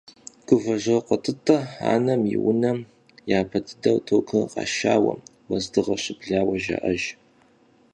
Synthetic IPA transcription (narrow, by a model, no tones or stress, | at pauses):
ɡ̥ʊvɐʒɐqʷətʰɨtʰʼːɐa̰ːnɐmiwʊnɐm | jaːpʰɐtʰɨdɐwtʰoːkʰɨqɑ̰ːʃaːwɐ̰m | wɐzdɨʁɐɕɪbɮaːwɐʒɐ̰ʔɐʒ